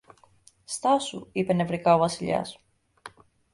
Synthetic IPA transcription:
st̪ɐsṵipe̞ne̞vɾikɐo̞vɐsiʎɐ̰s

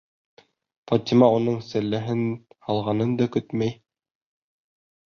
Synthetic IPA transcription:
fɑt̪ʲimɑunɤɴsæ̆lːæɦɘnhɑlˠʁɑnɤnd̪ɑkɵt̪mæj

